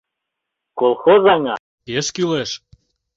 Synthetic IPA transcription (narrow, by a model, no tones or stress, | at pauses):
kolˠxozɑŋɑ | keʃkyleʃ